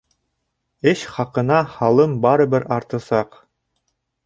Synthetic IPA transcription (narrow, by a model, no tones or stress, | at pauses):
ɘɕχɑqɤ̆nɑhɑlˠɤmbɑɾɤ̆bɘɾɑɾt̪ɤ̆sɑq